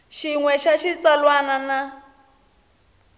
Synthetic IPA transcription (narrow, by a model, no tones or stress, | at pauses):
ʃiŋwɛʃaʃit͡salwanana